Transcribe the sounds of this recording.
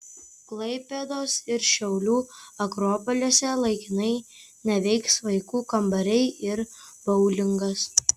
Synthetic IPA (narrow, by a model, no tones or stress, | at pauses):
klˠɐɪpʲɛd̪oːsɪɾʃʲɛʊlʲuːɐkɾɔːpɔlʲoːsʲɛlˠɐɪkʲɪnɐɪ | nʲɛʋʲɛɪksʋɐɪkuːkɐmbɐɾʲɛɪɪɾb̥ɐʊlʲɪŋɡɐs